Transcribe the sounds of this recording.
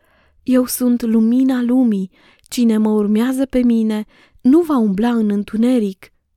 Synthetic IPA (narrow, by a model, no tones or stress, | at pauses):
je̞wsunt̪luminalumi | t͡ʃine̞məurmeazəpe̞mine̞ | nuvaumblaɨnɨnt̪une̞ɾik